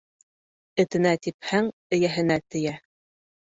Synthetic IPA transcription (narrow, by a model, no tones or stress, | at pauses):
ɘ̆t̪ɘ̆næt̪iphæŋɘ̆jæɦɘ̆næt̪ɘ̆jæ